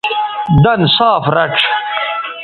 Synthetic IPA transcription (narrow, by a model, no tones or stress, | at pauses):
d̪ɐnsaːfɾɐʈ͡ʂʰ